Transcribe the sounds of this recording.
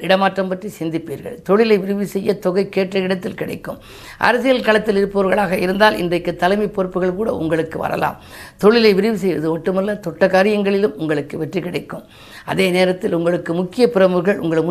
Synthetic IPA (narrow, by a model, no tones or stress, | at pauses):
ɪɽɐmaːʈrɐmpɐʈrisɪnd̪ɪpːiːɾɣɐ̰ɭt̪ɔɭɪlɐɪʋɪɾɯʋɯsɛjːɐt̪ɔɣɐɪkːeːʈrɐɪɽɐt̪ːɪlkɪɽɐ̰ɪkːɯ̰m | ʔɐ̰ɾɐsɪjɐlkɐɭɐt̪ːɪlɪɾɯpːɐʋɐɾɣɐɭaːɣɐɪɾɯnd̪aːlɪ̰ndrɐɪkːɯt̪ːɐlɐɪmipːoːɾpːɯɣɐɭkuːɽɐ̰ʊ̰ŋɡɐɭɯkːɯʋɐ̰ɾɐ̰la̰ːm | t̪ɔɭɪlɐɪʋɪɾɯʋɯsɛjʋɐðɯʋɐʈːɯmɐlːɐt̪ɔʈːɐkaːɾɪjɐŋɡɐɭɪlɯmʊŋɡɐɭɯkːɯʋɛʈrikɪɽɐɪkːɯm | ɐ̰ðeːneːɾɐt̪ːɪlʊŋɡɐɭɯkːɯmʊkːɪjɐpɪɾɐmɯɣɐɭʊ̰ŋɡɐɭmʊ